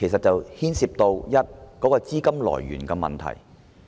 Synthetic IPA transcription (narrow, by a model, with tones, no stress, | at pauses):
e˨˩js̬ɐ˨t̚t͡sɐ˨whiː˥nsiː˧p̚t̪o˧wjɐ˥t̚kɔː˨˥kɔː˧t͡siː˥kɐ˥mlɔ̰ː˨˩jɥy̰ː˨˩nkɛː˧mɐ̰˨nt̪ʰɐ̰˨˩j